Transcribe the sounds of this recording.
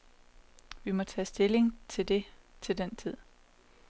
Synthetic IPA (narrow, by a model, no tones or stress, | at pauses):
ʋimɒ̽t͡sʰɛ̰ːsd̥e̝le̝ŋt͡sʰe̝d̥e̝t͡sʰe̝ld̥ent͡sʰið̰ˠ